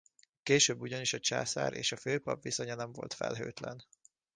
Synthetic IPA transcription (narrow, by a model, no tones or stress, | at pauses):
keːʃøːbːuɟɒniʃɒt͡ʃaːsa̰ːɾʔḛːʃɒføːpɒpviso̞ɲɒnɛɱvo̞̰lt̪fɛ̰lɦøːt̪lɛn